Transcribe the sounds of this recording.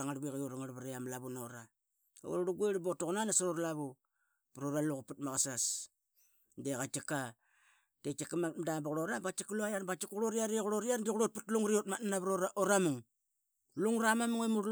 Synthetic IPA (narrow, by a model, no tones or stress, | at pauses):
aŋaɾbeɣaoɾaŋaɾβaɾeamlaβunoɾa | o̰ɾɾuɡueɾbotoɣnanasaɾoɾlaβu | pɾoɾaluɣuputmaɣasas | ndeɣat͡ʃika | tekakamamdabɣɾoɾabat͡ʃikluajaɾbat͡ʃikɣuɾoɾiaɾeɣuɾoɾiaɾndiɣuɾoputluŋɾiotmatnanaβɾoɾaʔoɾamuŋ | luŋɾamamuŋemuɾ